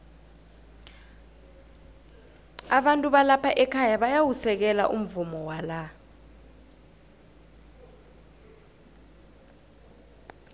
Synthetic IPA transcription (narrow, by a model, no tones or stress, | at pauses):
aɓantʼuɓalapʰaʔɛkʰajaɓajawusɛk̬ɛla̰ʔum̩vumɔwala